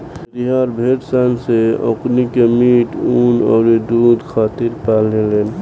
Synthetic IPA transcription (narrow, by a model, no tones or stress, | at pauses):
ɾiɦaːɾbʱeːʈsanseo̰knikemiːʈuːnɔ̰ːɾed̪ud̪kʰaːt̪ɪɾpaːleleːn